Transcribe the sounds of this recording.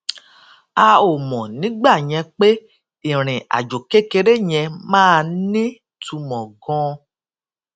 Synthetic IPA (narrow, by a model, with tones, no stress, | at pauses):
a˧o˨mɔ̃˨nĩ˨˦ɡ͡ba˦˨j̃ɛ̃˧k͡pe˦ | ĩ˨ɾ̃ĩ˨a̰˨d͡ʒo˨ke˦ke˧ɾe˦j̃ɛ̃˧mãː˦˧nĩ˦ | tu˧mɔ̃˨ɡɔ̃˦